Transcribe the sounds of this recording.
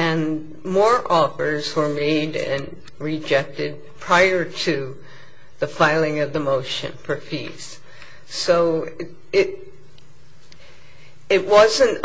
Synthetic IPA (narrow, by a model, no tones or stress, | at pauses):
ɨ̃n | mɔɹʔɔfə˞zwə˞meɪɾɨ̰̃n | ɹɪd͡ʒɛk̚tɨd̚pʰɹ̥aɪə˞ɾɨ | ðɨfaɪlˠɪ̃ŋʌvðəmoʊʃɨ̰̃nfə˞fḭz̥ | soʊ | ɪɾ | ɪt̚wʌzɨ̃nt